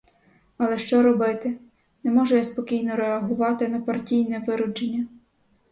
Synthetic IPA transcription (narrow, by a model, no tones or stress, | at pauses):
ɐlˠɛʃt͡ʃɔɾɔbɪt̪ɪ | nɛmɔʒʊjaspɔkʲijnɔɾɛɐɦʊʋɑt̪ɪnɐpɐrtʲijnɛʋɪɾʊd͡ʒenʲːɐ